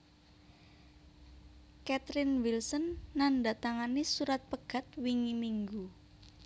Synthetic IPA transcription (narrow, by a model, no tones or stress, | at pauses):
kɛt̪ɾɪnwilsənːandat̪aŋanisuɾat̪̚pəɡ̥a̤t̪̚wiŋimiŋɡu